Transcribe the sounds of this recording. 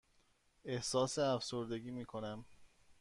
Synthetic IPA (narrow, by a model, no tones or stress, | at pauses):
e̞hsɒːseæfsoɾd̪e̞ɡiːmiːkʰo̞næm